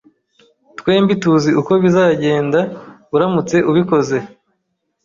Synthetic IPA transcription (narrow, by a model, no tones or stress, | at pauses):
twe̞ːmbituziʔuko̞βizaːɟe̞ːndaβuɾamut͡se̞ʔuβiko̞ze̞